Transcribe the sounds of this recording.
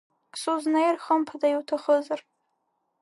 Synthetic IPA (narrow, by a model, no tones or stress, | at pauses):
ksuznajrχampʰadajwtʰaχəzar